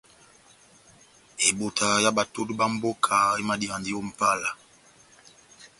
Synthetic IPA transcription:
e˨bo˨tʰa˨ja˦ba˨to˦tba˦m̩˦bo˦kʰa˨e˦ma˦di˨a˨ndi˦o˦m̩˨pa˦la˨

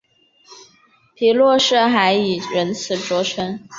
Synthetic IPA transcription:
pʰi˧˥lwɔ˥˧ʂɻ̩˥˩xa˧˥ɪi˨˩ɻə˧˥nt͡sʰɹ̩˨˩ʈ͡ʂwɔ˧˥ʈ͡ʂʰə˧˥ŋ

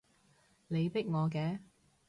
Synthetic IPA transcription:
le˨˧jpɪ˥k̚ŋɔː˨˧kɛː˧

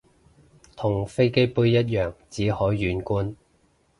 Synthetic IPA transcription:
t̪ʰʊ˨˩ŋfe˥jke˥jpuː˧jjɐ˥t̚jœː˨˩ŋt͡siː˨˥hɔː˨˥jːyː˨˥nkuː˥n

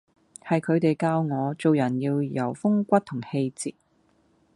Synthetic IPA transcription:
hɐ˨jkʰɵ˨˧ɥt̪e˨jkaː˧wŋɔː˨˧t͡so˨wjɐ˨˩njiː˧wjɐ˨˩wfʊ˥ŋkʷɐ˥t̚t̪ʰʊ˨˩ŋhe˧jt͡sḭː˨t̚

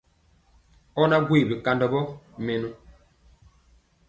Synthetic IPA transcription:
ɔ˦na˦ɡwi˦˨bi˨ka˨ndɔ˨bɔ˦me˨no˦

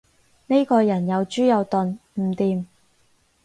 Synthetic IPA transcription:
ne˥jkɔː˧jɐ˨˩njɐ˨˧wt͡ʃyː˥jɐ˨˧wt̪ɵ˨˧nm̩˨˩t̪iː˨˧m

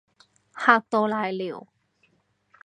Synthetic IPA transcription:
ha˧t̪o˧la˧jlḭ˨˩˨w

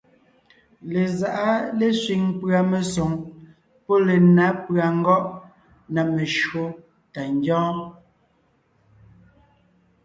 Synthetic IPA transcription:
le˨za˨ʔa˦le˦sɥi˨ŋpɰa˨me˨so˨ŋ | pɔ˦le˨na˨˦pɰa˨ŋ̩˦ɡɔ˦ʔ | na˨me˨ʃwo˦ | ta˨n˦d͡ʒɔ̃ː˦

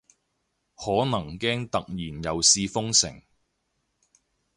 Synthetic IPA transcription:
hɔː˨˥nɐ˨˩ŋkɛː˥ŋt̪ɐ˨k̚jiː˨˩njɐ˨˧wsiː˧fʊ˥ŋsɪ̰˨˩ŋ

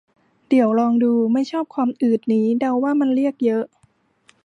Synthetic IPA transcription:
di˩˦əwɾɔː˧ŋduː˧ma˥˩jt͡ɕʰɔː˥˩p̚kʰwaː˧mʔɯː˨˩t̪̚niː˦˥da˧wːaː˥˩ma˧nɾi˥˩ək̚jɤ˦˥ʔ

